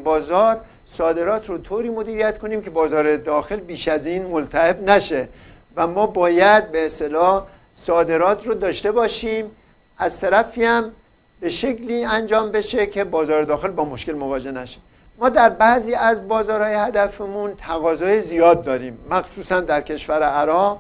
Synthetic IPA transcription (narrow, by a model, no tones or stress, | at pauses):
bɒːzɒːɾ | sɒːd̪e̞ɾɒːt̪ʰɾot̪ʰoːɾiːmo̞d̪iːɾijæt̪kʰo̞niːmcʰe̞bɒːzɒːɾed̪ɒːxe̞lbiːʃæziːnmolt̪ʰæhe̞bnæʃe̞ | væmɒːbɒːjæd̪̚be̞ːst̪e̞lɒːh | sɒːd̪e̞ɾɒːt̪ʰɾod̪ɒːʃt̪e̞bɒːʃiːm | æz̥t̪ʰæɾæfiæm | be̞ʃe̞kliːænd͡ʒɒːmbe̞ʃe̞kʰe̞bɒːzɒːɾed̪ɒːxe̞lbɒːmo̞ʃke̞lmo̞vɒːd͡ʒe̞hnæʃe̥ | mɒːd̪æɾbæʔziːæzbɒːzɒːɾhɒːjehæd̪æfemunt̪ʰæɣɒːzɒːjezijɒːd̪̚ːɒːɾiːmːæxsuːsænd̪æɾcʰe̞ʃvæɾeʔæɾɒːɣ